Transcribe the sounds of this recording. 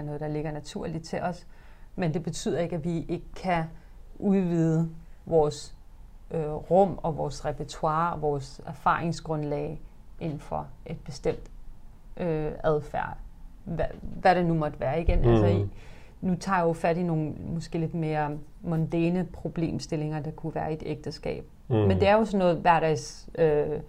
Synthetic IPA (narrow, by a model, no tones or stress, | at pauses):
nɔ̽ːð̩ˠd̥ɑ̈le̝ɡ̥ɐnæt͡sʰuɐ̰lid̥̚t͡sʰe̝lʔɒ̽s | mend̥e̝b̥e̝t͡sʰy̰ð̰ˠɐe̝ɡ̥æʋie̝ɡ̥əkʰːæ | ʔuðˠʋiðˠəʋɒːs | øʁɔ̽m̰ɒ̽ʋɒːsʁɛpʰæt͡sʰuɑ̈ːɒʋɒːsæɐfɑ̰̈ːʁeŋsɡ̥ʁɔ̽nlɛːɪ | e̝nn̩fɒ̽ʔe̝d̥̚b̥e̝sd̥em̰d̥ | ʔøæðˠfæɐ̰̥æʋæɾenumɒ̽d̥əʋæːɐiɡ̥enʔælsɐ | nut͡sʰɑ̈ːjjofæɾ̥ino̝ːn̩mɒsɡ̥e̝̰ːle̝d̥me̝ːɐ | mɔnd̥æːnəpʰʁo̝b̥le̝̰ːmsd̥e̝le̝ŋɐd̥ɑ̈kʰuʋæːɐe̝d̥eɡ̥̚d̥əsɡ̥ɛ̰ːb̥̚ | mend̥e̝æɐjo̝sɒnːɔ̽ːð̩ˠʋæɐɾ̥ɛɪsø